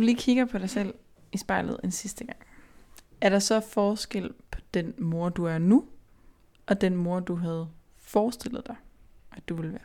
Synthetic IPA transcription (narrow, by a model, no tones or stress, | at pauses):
d̥uliːkʰiɡ̥ɐpʰɒ̽ɾ̥ɑ̈ɪsel̰ | isb̥ɑ̈ɪlð̩ˠe̝nsisd̥əɡ̥ɑ̈ŋ̰ | æɐɾ̥ɑ̈sɒ̽fɒːsɡ̥el̰pʰɒ̥̽d̥enmo̝ɐ̰d̥uæɐnu | ʔɒ̽d̥enmo̝ɐ̰d̥uɦæð̞̩ˠ | fɒːsd̥e̝l̰ð̞̩ˠd̥ɑ̈ɪʔæd̥uʋe̝lʋæːɐ